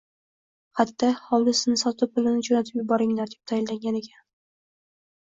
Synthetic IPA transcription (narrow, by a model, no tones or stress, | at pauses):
hat̪ːahɒwd̪ɪsɪznɪsɒt̪ʰɪp̚bɪlɪnɪd͡ʒonat̪ʰɪpjɪbɒɾɪŋlaɾd̪ɪ̥p̚t̪ʰajɪlːaŋɡʲanekʲʰan